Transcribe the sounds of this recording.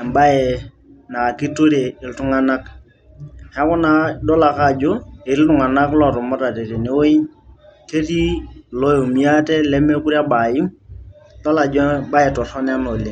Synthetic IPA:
ɛ˨mba˦jɛ˨ | na˨ki˦to˦ɾe˨ɪ˨ltu˦ŋa˦na˦k | hɛ˦kɔ˦na˦dɔ˦la˨ka˦˨d͡ʒɔ˦ɪ˨˦ltu˨ŋa˨na˦klɔ˦˨tu˨mɔ˦ta˨te˨ɾi˨ne˦wo˦i˦ | te˦ti˦lɔ˦jo˨mi˨˦a˦tɛ˦lɛ˦mɛ˦ku˦ɾi˦a˦ba˨ji˦m | dɔ˦la˨d͡ʒɔ˦ba˦jɛ˨tɔ˨sɔ˦n˦a˦nɔ˨li˨

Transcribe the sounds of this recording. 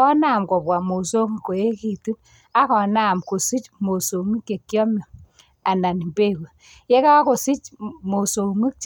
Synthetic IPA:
ɔ˦na˨mkɔ˨pwa˨mo˨so˦ŋ˨ko˨je˦ki˨tu˦n | a˦kɔ˨naː˦˨mko˨si˦t͡ʃmo˨so˨ŋi˦kːe˨kːjɔ˦mɔ˨ | a˨na˨ni˨mbe˦ku˨ | je˦ka˦ko˨si˦t͡ʃmo˨so˨ŋi˦k̚t͡ʃ

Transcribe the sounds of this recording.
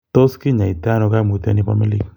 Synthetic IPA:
t̪o˦ski˦ɲa˨i˨t̪a˦nɔ˨ka˦mu˨t̪a̰˦ni˦pa̰˦mi˦li˦k

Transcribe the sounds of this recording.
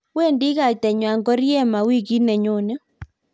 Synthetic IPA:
wɛ˦˨ndi˦ɣa˨tɛ˨ɲwa˨ŋɡɔ˦ɾjɛ˦˨ma˨wi˦ɣi˦nɛ˨ɲo˨nɛ˦

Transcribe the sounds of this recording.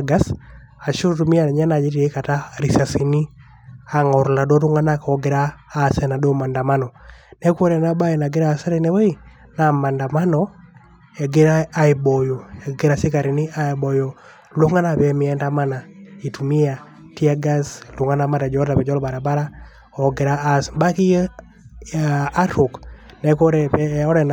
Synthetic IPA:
ɡa˦s | a˨t͡ʃo˦tumi˦a˨ɲa˦na˨d͡ʒi˦ti˨e˦ka˨ta˦ɾi˨sa˨si˨ni˦ | a˨ŋɔ˨ɾla˨dɔ˦ɾu˦ŋa˦nakɔ˦ɡɪ˨ɾaː˦sɛna˨dɔ˦ma˨nda˨ma˦nɔ˨nɛ˦kwo˦ɾɛ˨na˦ba˦i˨na˨ɡɪ˦ɾa˨sɛ˦ɾɛ˦nɛ˦we˦i˨ | na˨ma˨nda˨ma˦nɔ | ɛ˨ɡɪ˦ɾaː˦i˨bɔ˨jo˨e˨ɡɪ˦ɾa˨si˦ka˨ɾi˨ni˦a˦˨bɔ˨jo˨ | lu˦ŋa˦na˨bɛ˨mɪ˨ɛ˦nda˦ma˦na˨i˨tu˨mi˦a˨ | ti˦a˦ɡa˦slu˨ŋa˦na˦ma˦ɾɛ˨d͡ʒɔ˨˦da˨pɛ˨d͡ʒɔ˦lba˨ɾa˨ba˦ɾa˦ | ɔ˨ɡɪ˨ɾaː˦sba˦ki˦ | a˦ɾo˨k | nɛ˨ko˦ɾɛpɛɔ˦ɾɛ˨n

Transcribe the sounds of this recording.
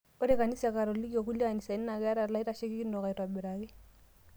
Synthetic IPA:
o˦ɾe˦ka˨ni˦sa˨ka˨ɾo˨li˦kjo˨k̬u˦la˦˨ni˨sa˨i˦n˦na˨ka˦ɾa˨la˦i˦ɾa˨ʃe˦ki˦ki˦ndo˨ka˨i˨ta˨bɪ˨ɾa˨kɪ˦

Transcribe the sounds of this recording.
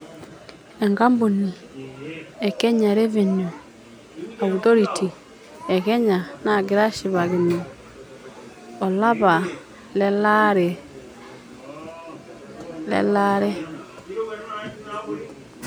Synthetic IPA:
ɛ˨ŋɡa˦mbu˨ni˨ | ɛ˨kɛ˦ɲa˨ɾe˦ve˨nu˨ | a˨wu˨tɔ˦ɾi˨ti˨ | ɛ˨kɛ˦ɲa˨na˨ɡɪ˨ɾa˦ʃi˨βa˨ɣi˨ni˨ | ɔ˨la˦βa˨ | lɛ˦la˦ɾɛ˨ | lɛ̰˦la˦ɾɛ˦

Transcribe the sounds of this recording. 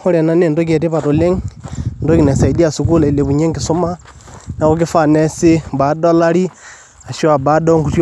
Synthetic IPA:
xo˦ɾe˨na˦ne˨ndo˦k̬e˨te˦pa˨to˨le˦ŋndo˦ki˨ne˨sa˨i˨di˦a˨su˨k̬u˦la˨i˨le˨βu˨ɲe˦ŋɡi˨so˦ma˦ | na˨ko˦k̬i˦fa˦˨ne˦si˦ba˨˦da˦la˦ɾi˦ | a˨ʃu˦a˨ba˦do˦ŋɡu˦tj

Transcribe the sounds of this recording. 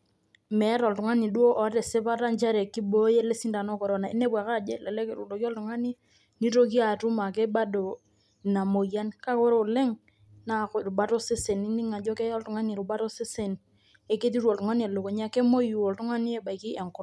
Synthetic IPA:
mɛ˨˦ɾɔ˨ltʊ˨ŋa˦ni˨du˦o˦ʔɔ˨te˨se˦pa˦ta˦nt͡ʃa˦ɾe˨kːi˦bo˦je˦le˦si˦nda˨nɔ˦kɔ˨ɾɔ˦na˨ḭ˦ne˦ba˨ka˦˨d͡ʒḛ˦˨lɛ˨lɛ˦kɾu˨do˨ki˦ɔ˦ltʊ˨ŋa˦ni˦ | ni˦to˦k̬i˦a˨tu˦ma˨ke˦ɓa˦do˨ | na˨mo˨ja˦nka˦ko˦ɾo˦˨le˦ŋ | na˦kɾu˨ba˦to˦se˦se˨ni˦ni˦ŋa˨d͡ʒɔ˦ke˦jɔ˦ltʊ˨ŋa˦ni˨ɾu˨ba˦to˦se˦se˨n | e˦ke˦t̬i˦ɾɔ˨ltʊ˨ŋa˦ni˦e˨lo˨ko˨ɲ˦a˦ke˦mo˦ju˨ɔ˨ltʊ˦ŋa˦ni˦e˨ba˨jki˦e˨ŋkʊ˦ɾ

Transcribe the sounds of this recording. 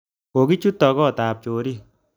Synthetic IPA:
ko˨ki˦t͡ʃu˦tːɔ˨kɔ˦˨taː˨p̚t͡ʃoː˨ɾi˦

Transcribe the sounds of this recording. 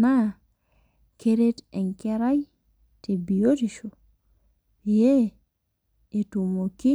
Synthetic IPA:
na˦ | keɾe˦te˨ŋke˦ɾa˦j | te˨bi˨o˦tiʃo˨ | je˦ | e˨tu˨mo˨ki˦

